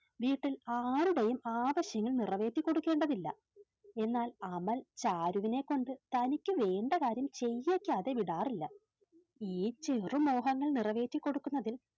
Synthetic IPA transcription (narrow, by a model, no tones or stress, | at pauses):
ʋiːʈːilaːɾuɽejumaːʋɐɕjɐŋːɐɭnirɐʋe̞ːtːikːo̞ɽukːe̞ːɳɖɐðilːɐ̰ | e̞nːaːlɐmɐlt͡ɕaːɾuʋine̞kːo̞ɳɖɨt̪ɐnikʲːɨʋe̞ːɳɖɐkaːɾjɐmt͡ɕe̞jːekʲːaːðe̞ʋiɽaːrilːɐ | iːt͡ɕerumo̞ːɦɐŋːɐɭnirɐʋe̞ːtːikːo̞ɽukːunːɐðil